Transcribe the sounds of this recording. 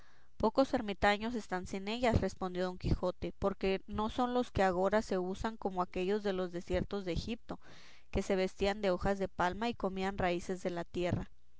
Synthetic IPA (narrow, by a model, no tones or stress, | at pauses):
po̞ko̞se̞ɾmit̪aɲo̞s̬e̞st̪ansine̞ʝasre̞spo̞nd̪jo̞oŋkixo̞t̪e̞po̞ɾke̞no̞so̞nlo̞ske̞aɣo̞ɾase̞usaŋko̞mo̞ake̞ʝo̞zðe̞lo̞zðe̞sje̞ɾt̪o̞zðeːxip̚t̪o̞ | ke̞se̞β̞e̞st̪iand̪e̞o̞xazðe̞palmaiko̞mianraise̞zðe̞lat̪je̞ra